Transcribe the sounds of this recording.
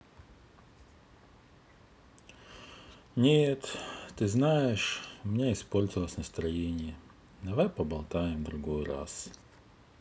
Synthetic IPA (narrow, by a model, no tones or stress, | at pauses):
nʲet̪ːɨznajɪʂmʲɪnʲeɪspo̞lʲzəvəlˠəsʲnəst̪ɾɐjenʲɪjə | d̪ɐvajpəbɐlˠt̪ajɪmd̪ɾʊɡojɾa̰s